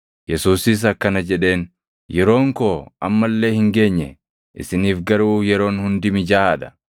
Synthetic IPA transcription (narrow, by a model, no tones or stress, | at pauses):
jɛsuːsɪs̬ɐkːɐnɐd͡ʒɛᶑe̞ːn | jɛɾo̞ːŋko̞ːʔɐ̰mːɐlːe̞ːhɪŋɡe̞ːɲːɛ | ʔɪ̰sɪniːfɡɐɾuːjɛɾo̞ːnhʊnd̪ɪmɪd͡ʒaːd̪ɐ̥